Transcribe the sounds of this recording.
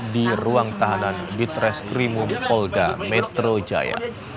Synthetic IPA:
diruaŋt̪aɦananbit̪ɾɛskɾimumpɔlda̰mɛt̪ɾod͡ʒa̰ja̰

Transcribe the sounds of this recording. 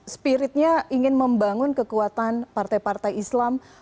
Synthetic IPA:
spiɾɪt̪̚ɲaʔiŋɪnməmbaŋʊnkəkuat̪anpart̪ajpart̪ajislam

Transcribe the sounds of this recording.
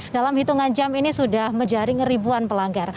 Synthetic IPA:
dalamhit̪uŋand͡ʒaminisudahməɲd͡ʒaɾɪŋribuanpəlaŋɡar

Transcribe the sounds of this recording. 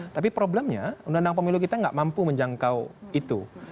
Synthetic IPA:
t̪apipɾobləmɲa̰undaundaŋp̬əmilukit̪aŋɡa̰ʔmampuməɲd͡ʒaŋkawit̪u

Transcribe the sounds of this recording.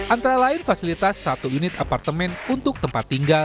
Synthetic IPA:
ʔant̪aɾalaɪnfasilit̪asːat̪uunɪt̪apart̪əmɛnunt̪ʊk̚t̪əmpat̪ːiŋɡal

